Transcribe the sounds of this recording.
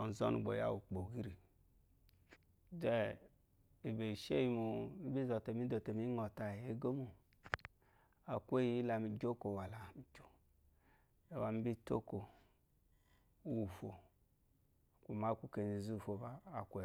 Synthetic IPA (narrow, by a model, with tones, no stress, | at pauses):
ɔ˨zɔ̰˦nṵ˨ɡ͡bo̰˨ja̰˦˨wu˨k͡po˨ɡi˦ɾi˨ | d͡ʒɛ˦ | i˨be˨ʃe˦ji˧mu˨i˦bi˦zɔ˨te˨mi˦do˨te˨mi˦ŋɔ˨ta˨e˦ɡo˦mu˨ | a˨kʷe˦ji˦la˧mi˨d͡ʒo˦ko˨wa˨la˨mi˨d͡ʒo˨ | e˨wa˨mi˦bi˦to̰˦ko˨ | u˦˨fo˨ | ku˨ma˦ku˦ke˨ni˨zu˦˨fo˨vaː˦˨kʷu˦e˨